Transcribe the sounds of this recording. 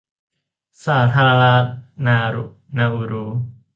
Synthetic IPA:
saː˨˩˦t̪ʰaː˧ɾa˧la˦˥t̪̚naː˧ɾṵ˨ | naː˧ʔu˧ɾuː˦

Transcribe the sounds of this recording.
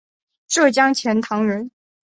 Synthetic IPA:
ʈ͡ʂɤ˥˩t͡ɕjɑ˥ŋt͡ɕʰjɛ˧˥nt̪ʰɑ˧˥ŋɻə˧˥n

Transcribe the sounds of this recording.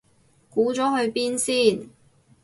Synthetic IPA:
kuː˨˥t͡sɔː˨˥ɦɵ˧ɥpiː˥nsiː˥˩n

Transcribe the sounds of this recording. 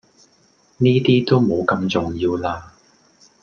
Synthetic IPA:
niː˥t̪iː˥t̪o˥wmo˨˧wkɐ˧mt͡sʊ˨˩ŋjiː˧wlaː˧

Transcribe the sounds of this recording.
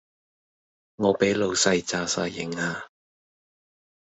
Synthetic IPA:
ŋɔː˨˧pe˨˥jlo˨˧wsɐ˧jt͡saː˧sa̰ː˧jjɪ˨˥ŋaː˧

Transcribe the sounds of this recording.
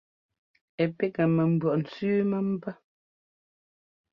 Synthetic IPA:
ɛ˨pɛ˦kə˨mə˨m̩˨bwɔ˨ʔn̩˨t͡sʉː˦mə˦m̩˦pə˦

